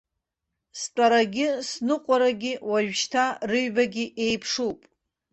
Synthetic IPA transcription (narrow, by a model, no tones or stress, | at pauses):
spʼaɾaɡʲɪsnɨqʷʼaɾaɡʲɪwaʒᶣʃtʰarɨɥbaɡʲɪʔejpʰʂupʼ